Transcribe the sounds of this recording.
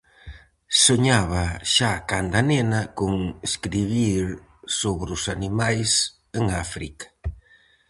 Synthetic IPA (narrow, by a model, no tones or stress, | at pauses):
soɲaβaʃakand̪anenakuŋeskɾiβiɾ | soβɾusanimajs | eŋafɾikḁ